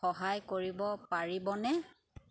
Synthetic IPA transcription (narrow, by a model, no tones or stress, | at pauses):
ɔɦajkoɹibɔpaɹibɔnɛ